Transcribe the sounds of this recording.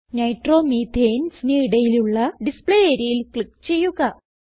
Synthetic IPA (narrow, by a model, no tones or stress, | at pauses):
nɐjʈro̞ːmiːd̪ʱejnsniiɽɐjiluɭːɐɖispɭeeːɾijilkɭikːt͡ɕe̞jːuɣɐ